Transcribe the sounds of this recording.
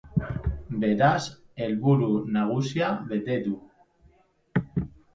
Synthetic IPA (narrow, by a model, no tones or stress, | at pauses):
beɾaselβuɾunaɣ̞usjaβet̪ed̪u